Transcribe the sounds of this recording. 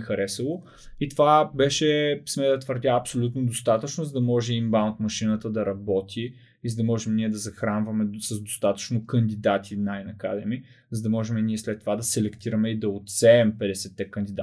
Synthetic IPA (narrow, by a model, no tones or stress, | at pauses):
xɐɾɛsəlˠo | it̪ovabɛʃɛsmɛd̪ɐt̪vəɾd̪ʲaɐpsolʲut̪nod̪ost̪at̪ət͡ʃnozɐd̪ɐmɔʒɛimbaʊnt̪mɐʃinət̪əd̪ɐɾɐbɔt̪ʰi | izɐd̪ɐmɔʒɛmniɛd̪ɐzɐxɾanvɐmɛsɐzd̪ost̪at̪ə̥t͡ʃnokənd̪id̪at̪ʰinajnɐka̰d̪ɛmi | zɐd̪ɐmɔʒɛmɛniɛslɛt̪ːovad̪ɐsɛlɛkt̪iɾɐmɛid̪ɐot̪sɛɛmpɛd̪ɛsɛt̪ːɛkɐnd̪id̪a